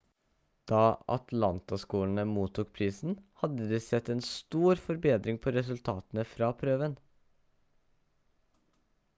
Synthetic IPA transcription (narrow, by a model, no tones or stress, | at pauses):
d̪̥ɑːɑ̰t̪ʰlɑnt̪ɑskuːlɳ̩əmuːt̪uːkpʰɾiːsn̩hɑd̪əd̪iːsɛt̪ːɛːnst̪uːɾfɔɾbeːd̪ɾɪŋpʰoːɾɛsʉlt̪ʰɑːt̪n̩əfɾɑːpʰɾøːʋən